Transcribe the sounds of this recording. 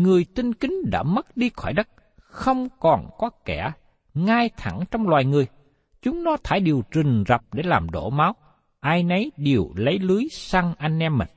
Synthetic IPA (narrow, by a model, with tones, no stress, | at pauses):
ŋɨ˨˩əjt̪ï˧ŋkï˨˦ŋ̟ɗa̰ː˧˥mə˦˥t̚ɗi˧xɔ˧˩jɗə˦˥t̚ | xə˧wŋ͡mkɔ˨˩nkɔ˨˦kɛ˧˩ | ŋaː˧jt̪ʰa˧˩ŋt͡ɕɔ˧wŋ͡mlwaː˨˩jŋɨ˨˩əj | t͡ɕʊ˨˦ŋ͡mnɔ˨˦t̪ʰaː˧˩jɗi˨˩əwt͡ɕï˨˩ŋ̟za˨˩p̚ɗe˧˩laː˨˩mɗo̰˧˩ma˨˦w | ʔaː˧jnə˨˦jɗi˨˩əwlə˨˦jlɨ˨˦jsa˧ŋʔa˧jŋ̟ʔɛ˧mːï˨˩ŋ